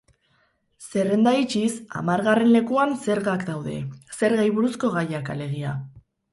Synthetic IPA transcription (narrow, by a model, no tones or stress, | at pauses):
se̞re̞nd̪ait͡ʃisa̰maɾɣare̞nle̞kuanse̞ɾɣakd̪awðe̞̰se̞ɾɣajβuɾusko̞ɣ̞ajakale̞ɣ̞ia